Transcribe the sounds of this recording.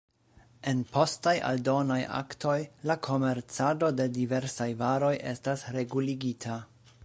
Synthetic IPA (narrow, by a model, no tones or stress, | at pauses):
e̞npʰo̞staja̰ldo̞najʔa̰ktʰo̞jlakʰo̞me̞ɾt͡sado̞de̞dive̞ɾsajvaɾo̞jʔe̞̰stasɾe̞ɡuliɡitʰa